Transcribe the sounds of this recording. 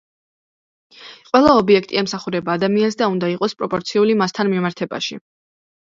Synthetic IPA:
qʼwɛlˠaɔbiɛk̚ʰt̪ʼiɛmsaχuɾɛbaːd̪amiansd̪aund̪aiqʼɔspʼɾɔpʼɔɾt̪sʰiulimast̪ʰanmimaɾt̪ʰɛba̰ʃḭ

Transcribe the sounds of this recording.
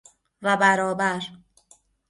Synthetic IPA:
væbæɾɒːbæɾ

